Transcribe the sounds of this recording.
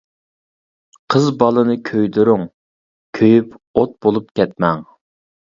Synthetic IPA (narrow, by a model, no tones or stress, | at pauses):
qʰəzbɑlˠɨnɨkʲʰøjd̪uɾʊŋ | kʲʰøjypot̪̚bolˠupkʲɛt̪mɛŋ